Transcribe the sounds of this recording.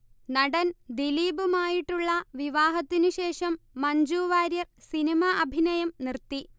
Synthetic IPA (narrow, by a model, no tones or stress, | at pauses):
nɐɽɐnd̪iliːbumaːjiʈːuɭːɐʋiʋaːɦɐt̪ːinuɕe̞ːʂɐmːɐɲd͡ʑuːʋaːɾjɐrsinimaʔɐbʱinɐjɐmnirt̪ːi